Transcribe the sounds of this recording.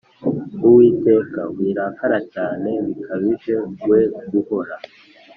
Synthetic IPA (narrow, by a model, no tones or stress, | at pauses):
uwiːte̞ːkawiːɾakʰaɾat͡ʃaːne̞βikʰaβiʒe̞ɡwe̞ɡuho̞ɾa